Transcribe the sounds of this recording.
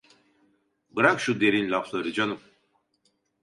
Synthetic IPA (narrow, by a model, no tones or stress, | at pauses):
bɯɾakʃud̪eɾinlʲaflˠaɾɯd͡ʒanum